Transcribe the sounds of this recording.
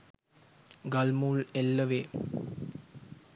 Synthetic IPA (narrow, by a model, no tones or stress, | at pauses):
ɡalmuːlelːəʋeː